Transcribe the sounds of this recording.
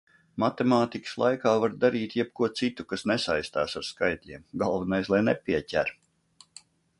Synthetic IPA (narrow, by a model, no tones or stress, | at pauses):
mat̪emaːt̪ikə̥slˠa̰jkaːvaɾd̪aɾiːt̪jɛb̚kuɔt̪sit̪ukasnɛsajst̪aːsaɾskajt̪ʲlʲiɛmɡalˠvɛnajslˠajnɛpʲiɛcʲæɾ